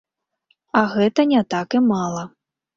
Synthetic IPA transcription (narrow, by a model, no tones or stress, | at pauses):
ɐɣɛt̪ɐnʲat̪akɨmalˠɐ